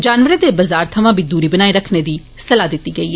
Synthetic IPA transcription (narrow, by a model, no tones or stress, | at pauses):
d͡ʒaːnʋəɾeːd̪eːbəzaːɾt̪ʰəmãːbiːd̪uːɾiːbənaːiɾəkʰneːd̪iː | səlaːd̪ɪt̪ːiːɡəiːɛ